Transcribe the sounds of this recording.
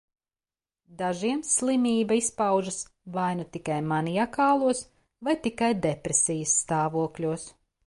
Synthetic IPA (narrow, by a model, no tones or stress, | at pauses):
d̪aʒiɛmslˠimiːbɐispawʒɨsvajnut̪ikajmanijakaːlˠuɔs | vajt̪ikajd̪ɛpɾesʲijəsːt̪aːvuɔklʲuɔs